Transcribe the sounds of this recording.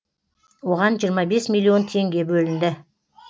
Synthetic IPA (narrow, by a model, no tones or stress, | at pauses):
wo̞ʁɑnʒijəɾmɑbe̞smilʲːio̞nt̪ʰe̞ŋɡʲe̞bɵlɪnd̪ɪ